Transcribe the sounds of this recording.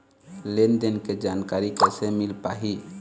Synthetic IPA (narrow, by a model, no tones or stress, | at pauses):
lend̪enked͡ʒaːnkaɾikɛsemilpaɦi